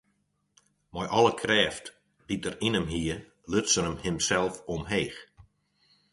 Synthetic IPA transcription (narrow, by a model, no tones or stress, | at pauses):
mɔjʔɔlˠəkʰrɛːft | b̥it̚dərinəmɦiːə | løtsəɾəmhɪmsɛlˠfɔmɦeːx